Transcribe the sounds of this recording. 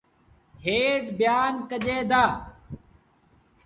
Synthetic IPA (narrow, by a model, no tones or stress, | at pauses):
heːɖbjaːnkəʄeːd̪aː